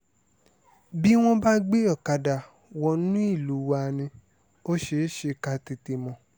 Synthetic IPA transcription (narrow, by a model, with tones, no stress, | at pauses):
bi˦w̃ɔ̃˦ba˦ɡ͡be˦ɔ˦˨ka˧da˨ | wɔ˧nũ˦i˦˨lu˨˦wa˧˨nĩ˧ | o˦ʃe˧˨˦ʃe˧ka˧ti˧ti˧mɔ̃˨